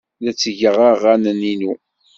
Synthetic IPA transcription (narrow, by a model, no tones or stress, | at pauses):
ðæt͡sːəʝəʁaʁænəninu